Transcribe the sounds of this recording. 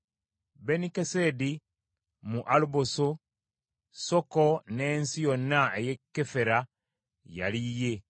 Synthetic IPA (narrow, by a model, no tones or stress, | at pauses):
benikesedi | muʔaluboso | sokonensijonːaejekːefeɾa | ja̰lije